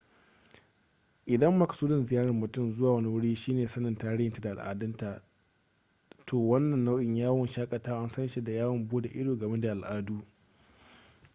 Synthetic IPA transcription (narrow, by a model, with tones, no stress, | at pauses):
ʔɪ˨dɐ˦mːɐ˨ka˨suː˦dɪ˨nzɪ˨jaː˦ɽɐ˨rmʊ˨tʊ˦˨mzʊ˦waː˨wɐ˦ni˦wʊ˦ɽiː˦ʃiː˦neː˨sɐ˦nɐ˨ntaː˦ɽɪ˦jɪ˨nta˨da˨a̰˨lʔa̰ː˨dɪ˦nta˨ | tʰoː˨wɐ˦nːɐ˨nːa˦wʔɪ˨ɲjaː˦wʊ˨nʃaː˦kʼɐ˨taː˦ʔa˦nsɐ˦nʃi˦da˨jaː˦wʊ˨mbuː˦da˨ʔɪ˦doː˨ɡɐ˨me˦da˨ʔa˨lʔaː˦duː˦